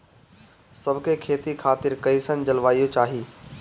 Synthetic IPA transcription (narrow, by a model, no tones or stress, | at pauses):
sɐbʱkʰekʰeːt̪ikʰaːt̪ɪɾkɐisənd͡ʒɐlʋaːijot͡ʃaːɦiː